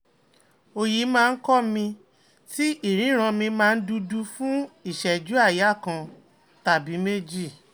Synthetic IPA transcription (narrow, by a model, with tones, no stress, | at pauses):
o˧ji˨˦mãː˦˧n̩˦kɔ˦mĩ˧ | ti˦ʔi˦˨ɾ̃ĩ˨˦ɾ̃ã˧mĩ˧mãː˧n̩˦du˧du˧fũ˦i˦˨ʃɛ˨d͡ʒu˨˦a˦˨ja˨˦˨kã˧ | ta˨bi˨˦me˦d͡ʒi˦˨